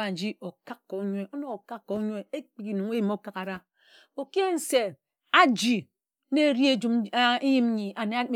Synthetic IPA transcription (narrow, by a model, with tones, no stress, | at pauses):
a˨n̩˨d͡ʒi˦ʔo˨ka˦kːɔ˨˦ɲʷ˦e˦o˦no˨o˨ka˦kːo˨˦ɲʷ˦e˦e˦k͡pi˨ki˨nu˨ŋ˦e˦i˨m˦o˦ka˦ka˨ɾa˦ | o˨ki˦e˦n̩˦se˨ | a˦d͡ʒi˨ | ne˦ɾji˦e˦d͡ʒu˦m˦i˦ji˦m˦ɲi˨ʔa˨ne˨˦